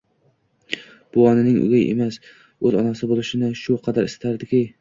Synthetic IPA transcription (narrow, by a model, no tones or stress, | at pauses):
b̥ʊɒnɪnɪŋʊ̰ɡʲajʔḛmas | ɵzɒnasɪbolˠɪʃɪnɪʃʊqʰɑd̪aɾɪsɪ̥t̪ʰaɾd̪ɪkʲʰɪ